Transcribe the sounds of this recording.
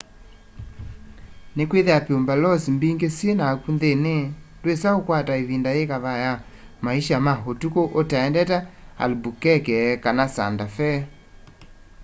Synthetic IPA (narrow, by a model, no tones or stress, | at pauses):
nekweðeapeombalɔsimbiŋɡesjenakunðene | dwesaokwataeβindaekaβaja | maiʃamaɦotukoʔotaɛndɛtaa̰lbukɛkɛkanasa̰ndafɛ